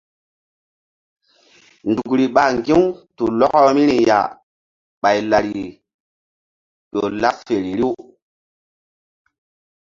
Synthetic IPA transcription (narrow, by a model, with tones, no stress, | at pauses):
ndu˨kɾi˨ɓa˨ŋɡi˦wtu˨lɔ˦kɔ˦mi˦ɾi˨ja̰˨ | ɓa˨jla˨ɾi˨ | ɗo˨la˦ffe˨ɾi˨ɾi˦w